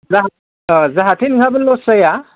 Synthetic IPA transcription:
zaɦ | zaɦatʰinɡʰʱabɯnlɔsaja

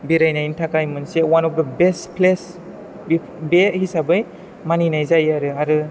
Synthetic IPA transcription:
biɾajnajntʰakajmɯnsewanɔfdəbestpʰles | bi | behisabɯj | maninajzajaɾɯaɾɯ

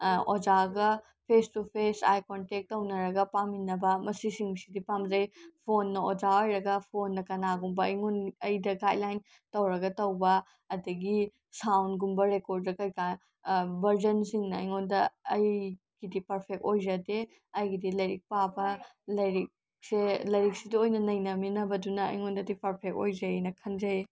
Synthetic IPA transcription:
od͡ʒaɡɐ | pʰestupʰesa̰jkontek̚tːɐwnɐɾɐɡɐpaminɐbɐmɐsisiŋsidipamzɐjpʰonːɐod͡ʒaojɾɐɡɐpʰonːɐkɐnaɡumbɐjŋunɐjdɐɡadlajn | tɐwɾɐɡɐtɐwbɐ | ɐdɐɡi | sawnɡumbɐɾekoɾd̚dɐkɐjka | bɐɾzɐnsiŋnɐɐjŋondɐːj | ɡidipɐɾpʰek̚ojzɐde | ɐjɡidilɐjɾik̚pabɐlɐɾik̚ | selɐjɾik̚sidiojnɐnɐjnɐminɐbɐdunɐɐ̰jŋondɐdipɐɾpʰek̚ojzɐjnɐkʰɐnzɐj

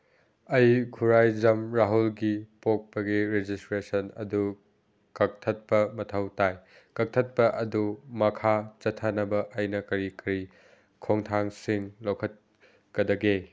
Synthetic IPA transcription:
ɐjkʰuɾajd͡ʒɐmɾaɦulɡipok̚pɐɡiɾed͡ʒistɾesɐnɐ̰du | kɐk̚tʰɐt̚pɐmɐtʰɐwtaj | kɐk̚tʰɐt̚pɐʔɐdumɐkʰat͡ʃɐtʰːɐnɐbɐʔɐjnɐkɐɾikɐɾi | kʰoŋtʰaŋsiŋlowkʰɐt̚ | kɐdɐɡe

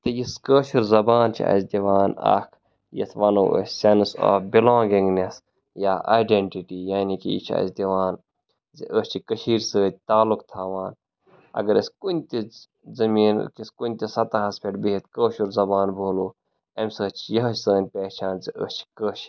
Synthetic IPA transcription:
t̪ɨjiskəːʃuɾzɐbaːnt͡ʃʰḭɐ̰sʲd̪iʋaːnɐ̰kʰ | jɐ̰t̪ʰʋɐno̰ːʔə̰sʲsɐnso̰ːfbilõːŋɡĩŋɡnes | jaːʔa̰ːɖeɳʈiʈiːjaːnikḭḭt͡ʃʰiɐ̰sd̪iʋaːn | ziʔəːst͡ʃʰikəʃiːɾsəːt̪̚ʲt̪aːlukt̪ʰaːʋaːn | ɐ̰ɡɐɾiskunʲt̪i | zɐmiːnkiskunʲt̪ʲisɐt̪aɦɐspʰʲeʈbiit̪kəːʃuɾzɐbaːnbʱoːluː | ɐmʲsəːt͡ʃʰijɐɦt͡ʃsəːnʲpeːt͡ʃʰaːnziʔə̰st͡ʃʰi̥kəːʃ

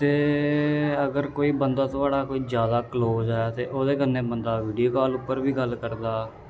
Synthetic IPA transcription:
t̪eː | əɡəɾkoːiːbənd̪aːt̪ʊaːɽaːkoːiːzjaːd̪aːkloːzɛːt̪eːʔoːd̪eːkənːeːbənd̪aːʋiːɖijoːkaːlʊpːəɾbiːɡəlkəɾd̪aː

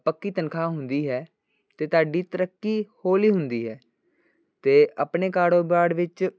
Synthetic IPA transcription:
pəkːiːt̪ənkʰaːɦʊnd̪iːɦɛː | t̪eːt̪aːɖiːt̪əɾəkːiːhoːliːɦʊnd̪iːɦɛː | t̪eːʔəpɳeːkaːɽoːbaːɽʋɪt͡ʃ

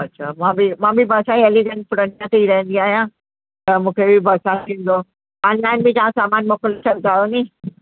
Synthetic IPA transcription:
ɐtːɕʰamãːbimãːbʱibʱɐsãĩeliɡə̃nʈ̚pʊɽəniãt̪eiɾɐɦə̃nd̪iaːɦijã | t̪ɐmũːkʰebʱibʱɐːsãt̪ʰĩːn̆d̪o | aːnlaːɪnbĩd͡ʑ̪ãːãsaːmaːnmoːkəlt͡ɕʰɐld̪aːjonĩː

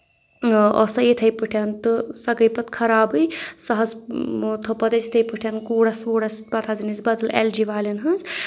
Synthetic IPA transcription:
ɔ̰sɐjit̪ʰɐjpɨʈʰɐnt̪ɨsɐkəjpɐt̪̚kʰɐɾaːbɨjsɐɦɐzt̪ʰopɐd̪ɐt͡sit̪ʰɐjpɨʈʰjɐnkuːɽɐsuːɽɐspɐt̪ʰazinizbɐd̪ɨlḛld͡ʒiʋaːlinɦɐz

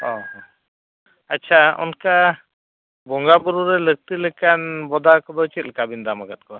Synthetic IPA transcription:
ɔɦ | atːt͡ʃʰaɔ̰nka | bɔŋɡabuɾuɾɛlək̚t̪ilɛkanbɔd̪akɔd̪ɔt͡ʃit̪̚lkabind̪amaɡat̪̚kɔ

